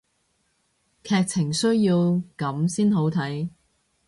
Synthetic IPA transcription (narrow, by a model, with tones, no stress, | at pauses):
kʰɛː˧k̚t͡sʰɪ˨˩ŋsɵ˥ɥjiː˧wkɐ˨˥msiː˥nɦo˨˥wt̪ʰɐ˨˥j